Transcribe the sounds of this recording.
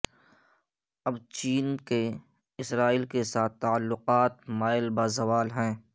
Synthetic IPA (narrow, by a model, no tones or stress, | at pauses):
ɐbt͡ʃiːnke | ɪsɾaːiːlkesaːt̪ːaːlːʊqaːt̪maːɪlbaːzɐʋaːlɦɛ̃ː